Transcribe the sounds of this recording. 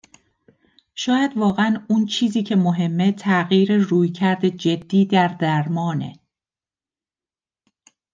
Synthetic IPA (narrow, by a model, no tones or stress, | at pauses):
ʃɒːjæd̪vɒːɣeænunt͡ʃʰiːziːcʰe̞moɦe̞mːe̞t̪ʰæɣiːɾeruːjcʰæɾd̪e̞d͡ʒe̞d̪̥ːiːd̪æɾd̪æɾmɒːne̞̰